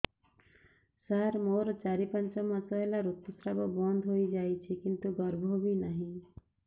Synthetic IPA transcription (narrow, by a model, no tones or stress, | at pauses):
saɾmoɾt͡ʃaɾipʌnt͡ʃɔmãsʌelaɾut̪ːusɾabɔbʌnd̪ʱɦoid͡ʒajt͡ʃʰikint̪uɡʌɾbʱobʱinaɦĩ